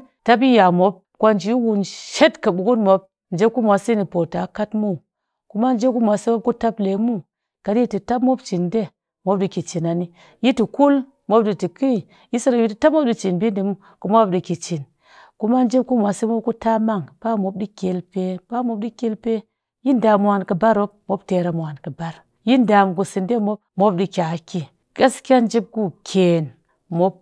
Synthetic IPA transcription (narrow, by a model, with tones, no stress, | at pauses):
ta˦p̬i˦ja˨mo˨˦p̚kʷa˦nd͡ʒi˨˦wu˨nʃe˦tka˨ɓu˨ku˦nmo˨p̚ | n̩˨d͡ʒe˦ku˦mʷa˨si˦ni˨po˨ta˨ka˦tmu˦˨ | ku˦ma˦n˦d͡ʒe˦ku˦mʷ˨a˨se˦mo˦p̚ku˦ta˦ple˨mu˦ | ka˨di˦i˦ti˨ta˦pmo˦b̚t͡ʃi˨nde˦ | mo˦p̚ɗi˨ki˨t͡ʃi˨na˨ni˦ | ji˦ti˨ku˦l | mo˨˦p̚ɗi˨ti˨ki˦˨ | ji˦sa˦ɾa˨ji˦ti˨ta˦p̚mo˦p̚ɗi˦t͡ʃi˨nbi˦nde˨˦mu˦ | ku˨mo˦di˨ki˨t͡ʃi˨n | ku˦ma˦nd͡ʒi˦b̚ku˦mʷ˨a˨si˦mo˦p̚ku˦ta˦ma˦˨ŋpa˦mo˦b̚di˦kʲe˨lpe˦pa˦mo˨p̚ɗi˦kʲe˦lpe˦ | ji˦nda˨mo˨a˨nkɨ˨ba˦ɾo˦p̚mo˦bte˨ɾa˨mo˨a˨nkɨ˨ba˦ɾ | ji˦nda˨m˨ku˨si˨nde˦mo˦b̚mo˦p̚di˨kʲa˨˦ki˦ | ka˦skʲa˦nd͡ʒi˦b̚ku˦kʲʰe˨n | mo˦b̚